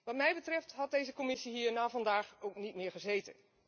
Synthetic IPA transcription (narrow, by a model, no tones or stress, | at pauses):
ʋɑtmɛjbətrɛftɦɑt̚dejzəkɔmɪsiɦiːɹnaːvɑndaːχowknitmɪːɹχəzejtə̰n